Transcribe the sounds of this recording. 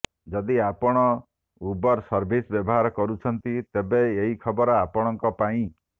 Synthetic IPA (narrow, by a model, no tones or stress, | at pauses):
d͡ʒɔd̪iapɔɽ̃ɔ | ubɔɾsɔɾbʱisbjɔbɔɦaɾɔkɔɾut͡ʃʰɔnt̪it̪ebeeɦikʰɔbɔɾɔapɔɽ̃ɔŋkɔpaĩ